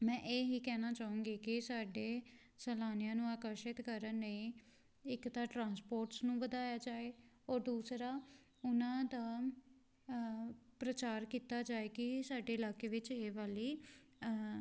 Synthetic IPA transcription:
mɛ̃ːʔeːɦiːkɛːnaːt͡ʃaːũːŋɡiːkɪsaːɖeː | sɛːlaːnɪjãːnũːaːkəɾʃɪt̪kəɾənːəĩː | ɪkt̪aːʈɾãːnspoːɾʈsnũːʋəd̪aːjaːd͡ʒaːeː | ɔːɾd̪uːsɾaː | ʊnãːd̪aː | pɾət͡ʃaːɾkiːt̪aːd͡ʒaːeːkɪsaːɖeːɪlaːkeːʋɪt͡ʃeːʋaːliː

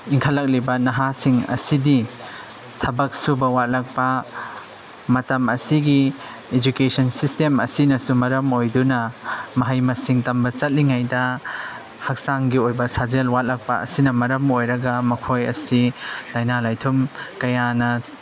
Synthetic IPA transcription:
iŋkʰɐlːɐk̚libɐnɐɦasiŋɐ̰sidi | tʰɐbɐk̚subɐwat̚lɐk̚pɐ | mɐtɐmɐsiɡi | ed͡ʒukesʰɐnsistemɐ̰sinɐsumɐɾɐmojdunɐmɐɦɐjmɐsiŋtɐmbɐt͡ʃɐt̚liŋajdɐ | hɐk̚saŋɡiojbɐsazelwat̚lɐk̚pɐɐ̰sinɐmɐɾɐmojɾɐɡɐmɐkʰojɐ̰silajnalajtʰumkɐjanɐ

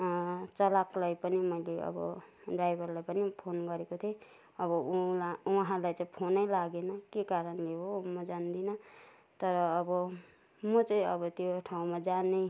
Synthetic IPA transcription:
t͡sʌlaklajpʌnimʌjleʌ̰bʌ̰ | ɖrajbʱʌrlajpʌnipʰonɡʌɾekot̪ʰe | ʌbʌulauɦãlajt͡saĩpʰonʌjlaɡenʌkekaɾʌnleɦomʌd͡zand̪inʌ | t̪ʌɾʌːbʌ | mʌt͡sʌĩʌbʌt̪joʈʰaũmad͡zanej

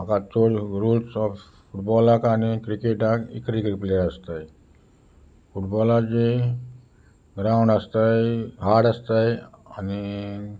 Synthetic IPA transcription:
makat͡soɽɾulsɔf | fuʈbɔlakanikɾikeʈakḭkɾikɾipleɾəst̪aj | fuʈbɔlat͡ɕe | ɡɾawɳɖəst̪ajɦaɽast̪ajani

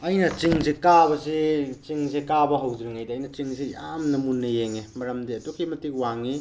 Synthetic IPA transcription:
ɐjnɐt͡ʃiŋzekabɐzet͡ʃiŋzekabɐɦɐwdɾiŋajdɐːjnɐt͡ʃiŋzejamnɐmunːɐjeŋemɐɾɐmdeɐtokimɐtik̚waŋi

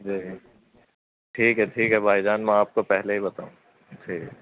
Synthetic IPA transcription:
d͡ʒi | ʈʰiːkɦɛʈʰiːkɦɛbʱaːid͡ʒaːnmɛ̃aːp̚kopɛɦleɦibɐt̪a̰ːũː | ʈʰiːk

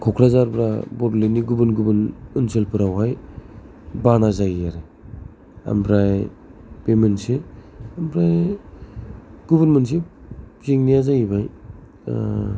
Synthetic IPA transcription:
kʰɔkʰɾazaɾbɾabɔɾleniɡubɯnɡubɯnɯnselpʰɯɾawɦaj | banazajiaɾɯ | a̰mbɾaj | pemenseambɾaj | ɡ̥uβɯnmens̬izeŋnijazajibaj

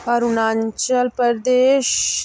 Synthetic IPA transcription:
ɐɾunaːɲt͡ʃəlpəɾd̪eːʃ

